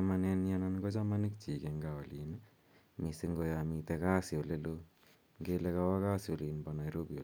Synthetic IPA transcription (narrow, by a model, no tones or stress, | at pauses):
mananijanankot͡ʃamanik̚t͡ʃikeŋɡaolin | misiŋɡojamit̪ɛkaːsiolelo | ŋɡelekawakaːsiolinpanajɾobiol